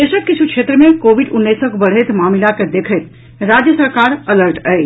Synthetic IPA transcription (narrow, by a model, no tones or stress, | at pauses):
eːʃəkːɪsʰukʃʰeːt̪ɾəmẽkoːʋiɖʊnːiːsəkbɐɽ̤et̪maːmlaked̪eːkʰet̪ | ɾaːd͡ʒjəsəɾkaːɾɐləɾʈɛe